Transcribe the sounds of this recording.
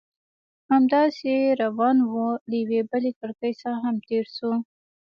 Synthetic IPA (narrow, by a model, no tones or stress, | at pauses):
hamd̪ɑseɾawɑnwulajawebəlekəɽkəjsaɾaɦamt̪eɾsu